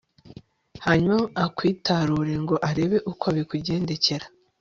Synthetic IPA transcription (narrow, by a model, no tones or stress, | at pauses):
haɲumaːkwiːtaɾuːɾe̞ŋɡo̞ʔaɾe̞βe̞ʔukoaβikuɟe̞ːnde̞ce̞ɾa